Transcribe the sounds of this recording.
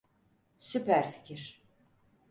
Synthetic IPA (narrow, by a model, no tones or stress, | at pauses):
sypæɾfi̥cʰiɾ̥